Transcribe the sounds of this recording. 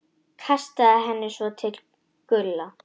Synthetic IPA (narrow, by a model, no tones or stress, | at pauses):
kʰast̪aaɦɛnːɪsvɔt̪ʰɪl | kʏlːa